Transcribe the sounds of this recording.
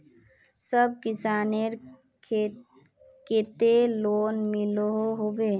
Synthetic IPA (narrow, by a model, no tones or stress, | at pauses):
səb̚kisaneɾ | ket̪eloːnmilɦoɦobe